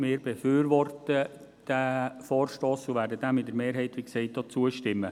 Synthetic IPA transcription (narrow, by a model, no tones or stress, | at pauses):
mɪːɾbefyːɾʋɔrtə | d̥æfɔːɾʃtoːsuʋæːɾdədæmːɪtdəɾmeːɾɦɛɪtʋiːksɛɪt̚ːɔːt͡suəʃtɪmːə